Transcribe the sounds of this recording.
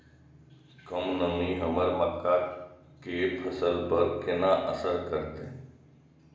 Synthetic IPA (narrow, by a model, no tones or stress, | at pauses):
kəmnəmĩːɦəməɾməkːaː | kepʰəsəlpəɾkɪnaːʔəsəɾkəɾt̪e